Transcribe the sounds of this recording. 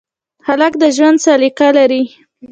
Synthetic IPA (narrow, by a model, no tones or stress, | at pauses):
halakd̪əʒwand̪salikalaɾi